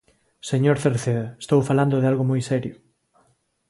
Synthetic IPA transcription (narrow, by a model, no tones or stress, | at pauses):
seɲoɾθeɾθeðest̪owfaland̪oðɪalɣomojsɛɾjo